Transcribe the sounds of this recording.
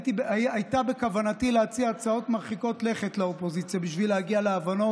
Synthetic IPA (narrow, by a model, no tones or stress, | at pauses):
tibajtabe̞kavanatilehat͡siat͡sao̞tmaʁχiko̞tle̞χe̞tleopo̞zit͡sjabiʃvilehaɡialeavano̞